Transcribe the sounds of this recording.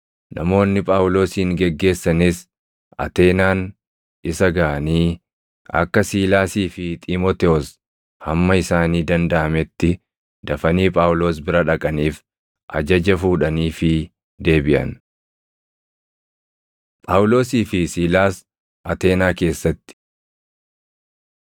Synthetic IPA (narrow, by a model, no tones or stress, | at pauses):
nʔɐ̰mo̞ːnːɪpʼaːwlo̞ːsiːŋɡɛɡːe̞ːsːɐnɪs | ɐ̰t̪e̞ːnaːn | ɪsɐɡɐʔɐniː | ʔɐ̰kːɐsiːlaːsiːfɪt̪ʼɪmoːt̪ɛɔs | hɐmːɐɪsaːniːd̪ɐnd̪ɐʔɐmɛt̪ːɪ | d̪̥ɐfɐniːpʼaːwʊlo̞ːs̬bɪɾɐᶑɐkʼɐniːf | ʔɐ̰d͡ʒɐd͡ʒɐfuːᶑɐniːfɪ | d̪e̞ːbɪʔɐ̰n | pʼaːwʊlo̞ːsiːfɪsiːlaːs | ʔɐt̪e̞ːnaːke̞ːsːɐt̪ːɪ̥